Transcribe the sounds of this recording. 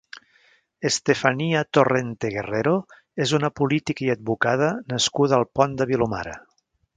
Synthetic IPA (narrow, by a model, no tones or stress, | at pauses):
est̪efəniət̪orent̪eɣereɾo | ezunəpulit̪ikəiəd̪̚bukað̞ənəskuðəːlˠpɔnd̪əβiluma̰ɾə̰